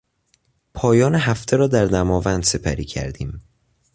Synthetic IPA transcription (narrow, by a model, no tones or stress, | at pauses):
pʰɒːjɒːneɦæft̪ʰeɾɒːd̪æɾd̪æmɒːvænd̪̥se̞pʰæɾḭːcʰæ̰ɾd̪iːm